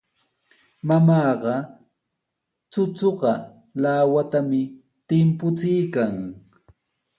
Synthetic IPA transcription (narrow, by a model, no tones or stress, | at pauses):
mamɑːɢɑ | t͡sʊt͡soɢɑ | laːwat̪amɪ | t̪ɪmpʊt͡sɪjkaŋ